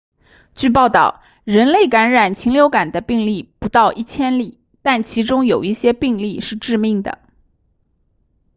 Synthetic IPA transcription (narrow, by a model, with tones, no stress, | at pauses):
t͡ɕy˥˧p̬ɑ˥˧ʊt̪ɑ˥˩ʊ | ɻə˧˥nle˥˩ɪka˧˥nɻa˨˩nt͡ɕʰi˧˥ŋljo˧˥ʊka˨˩nd̪ə˦pi˥˧ŋli˥˩pu˧˥t̪ɑ˥˧ʊʔi˥˩t͡ɕʰjɛ˥nli˨˩ | t̪a˥˩nt͡ɕʰi˧˥ʈ͡ʂʊ˥ŋjo˨˩ʊi˥˩ɕjɛ˥pi˥˧ŋli˥˧ʂɻ̩˥˧ʈ͡ʂɻ̩˥˧mi˥˩ŋd̪ə̰˩